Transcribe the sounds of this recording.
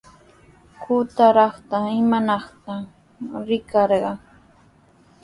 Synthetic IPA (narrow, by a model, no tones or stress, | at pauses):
kʰʊt̪aɾɑχt̪aɪmanɑχt̪a | ɾɪkɑɾɢɑ